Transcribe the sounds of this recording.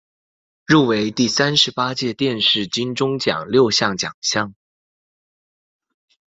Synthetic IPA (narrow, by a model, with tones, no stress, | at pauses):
ɻu˥˩we˧˥ɪt̪i˥˩sa˥nʂɻ̩˧˥pa˥t͡ɕjɛ˥˧t̪jɛ˥˧nʂɻ̩˥˩t͡ɕi˥nʈ͡ʂʊ˥ŋt͡ɕjɑ̰˨˩ŋljo˥˧ʊɕjɑ˥˩ŋt͡ɕjɑ̰˨˩ŋɕjɑ˥˩ŋ